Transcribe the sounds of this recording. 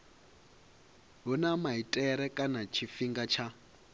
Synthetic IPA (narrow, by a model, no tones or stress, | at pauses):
ɦunamaitʼɛɾɛkʼanat͡ʃʰifiŋɡat͡ʃʰa